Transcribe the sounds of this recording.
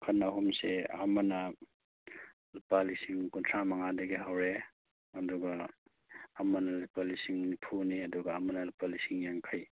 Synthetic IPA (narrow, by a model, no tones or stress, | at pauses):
kʰɐnaɦumsea̰mɐnɐ | lupalisiŋkuntʰɾamɐŋadɐɡiɦawɾe | ɐduɡaː | mɐnɐlipalisiŋnipʰuniɐduɡɐːmɐnɐlupalisiŋjaŋkʰaj